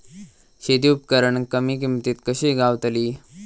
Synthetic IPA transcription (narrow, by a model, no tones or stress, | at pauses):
ɕet̪iːupkəɾəɳkəmik̬imt̪it̪kəɕiɡaʋt̪əliː